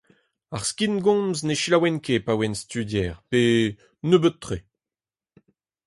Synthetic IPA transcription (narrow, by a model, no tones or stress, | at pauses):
aʁskinɡɔ̃mzneʃilawɛnkepawɛnst̪ydjɛːʁpe | nøbøtt̪ːχe